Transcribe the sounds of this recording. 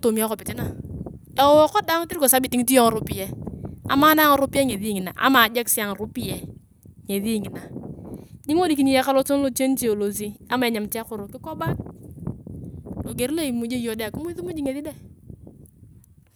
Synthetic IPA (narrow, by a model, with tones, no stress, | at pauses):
to˨mi˦a˦kɔ˨pɪ˨tɪ˦na˨ | ɛ˨wɔ˦kɔ˦da˦ŋ˦tɪ˦ɾko˨sa˦bi˨ti˦ŋi˦ti˦ɔ˦ŋɔ˨ɾʊ˦pi˦jɛ˦a̰˨maː˦na˦ŋɔ˦ɾʊ˦pi˦ɛ˦ŋe˨ði˦ŋɪ˨na̰˨ʔa̰˦ma˨d͡ʒa˦ksi˦a˨ŋ˨ɾu˦pi˦ɛ˨ | ŋe˨ði˦ŋɪ˨na˨ | ɲi˦ŋo˦di˨k̬i˨ni˦jɛ˦ka˦lɔ˦so˦n˦lo˨t͡ʃe˦n˦t͡ʃi˦˨o˨lo˨s̬i˦a˦ma˨ɛ˨ɲa˨mti˦a˦kʊ˨ɾʊ˨kɪ˦kɔ˦ba˦t̚ | lo˨ɡe˨ɾi˦lo˦i˨mu˦d͡ʒe˦jɔ˨da˨kɪ˦mʊ˦ðu˦mu˦d͡ʒi˦ŋe˨ði˦dɛ˦˨